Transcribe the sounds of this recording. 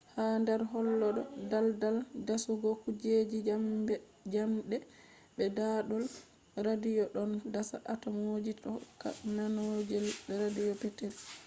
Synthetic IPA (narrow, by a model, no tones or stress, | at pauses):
handɛɾɦɔlːɔɗɔdaldaldasuɡɔkud͡ʒed͡ʒi | d͡ʒamɗɛ | bɛdaɗɔl | ɾadijɔɗɔndasa̰ʔatamod͡ʒitɔkːa̰nanod͡ʒɛlbɛɾadijɔpɛtɛl